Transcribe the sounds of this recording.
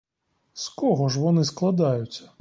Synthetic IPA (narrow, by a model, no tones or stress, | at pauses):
skɔɣɔʂ̬vanɨsklˠad̪ajut͡sʲːɐ